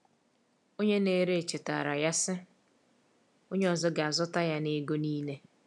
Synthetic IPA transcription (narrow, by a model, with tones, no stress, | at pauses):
o˦ɲe˦ne˦ɾe˦˨t͡ʃɪ˨ta̰ː˨ɾa˨ja˦sɪ˦ | o˦ɲe˦ɔ˨zɔ˦ɡa˨a˨zʊ˦ta˦ja˦ne˦ɡo˦niː˦ne˦